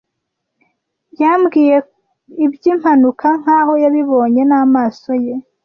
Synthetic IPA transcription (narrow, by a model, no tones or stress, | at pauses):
jambɡiːje̞ | ibjiːm̥hanukʰaŋ̥haːho̞jaβiβo̞ːɲe̞naːmaːso̞je̞